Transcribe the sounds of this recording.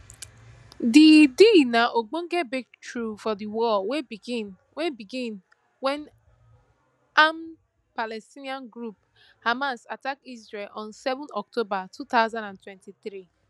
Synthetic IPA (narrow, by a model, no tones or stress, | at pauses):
didinaʔoɡ͡bõŋ̩ɡɛbik̚tɹufɔdiwɔweɡin | webiɡĩn | wɛ̃n | am | palɛstiniãnɡɾup̚ | hamasatakizɹelɔ̃nsɛvɔ̃nɔk̚tobatʰut̪aʊzãndãntwɛ̃ntiθɾi